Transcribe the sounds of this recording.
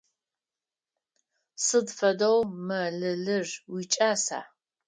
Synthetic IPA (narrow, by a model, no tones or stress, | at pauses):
sɨdfɐdowmɐɮɨɮɨrwit͡ʃʼaːsa̰ː